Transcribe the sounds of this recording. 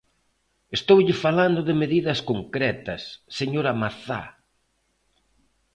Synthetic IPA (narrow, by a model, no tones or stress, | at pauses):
est̪owʎɪfaland̪ʊðɪmeðiðɐskoŋkɾɛt̪ɐsːeɲoɾɐmaθa̰